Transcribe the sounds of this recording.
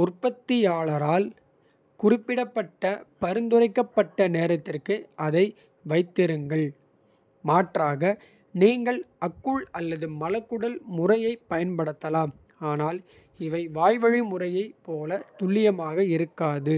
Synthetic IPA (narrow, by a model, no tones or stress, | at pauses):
ʊrpːɐt̪ːɪjaːɭɐɾaːl | kʊrɪpːɪɽɐpːɐʈːɐpɐɾɯnd̪ɯrɐɪkːɐpːɐʈːɐneːɾɐt̪ːɪrkɯʔɐðɐɪ | ʋɐɪt̪ːɪɾɯŋɡɐɭ | maːʈraːɣɐ | niːŋɡɐɭʔɐkːɯɭɐlːɐðɯmɐlɐkːɯɽɐlmʊrɐjɐɪpːɐjɐnpɐɽɯt̪ːɐlaːm | aːnaːl | ɪʋɐɪʋaːjʋɐɻimʊrɐjɐɪpːoːlɐt̪ʊɭːɪjɐmaːɣɐɪɾɯkːaːðɯ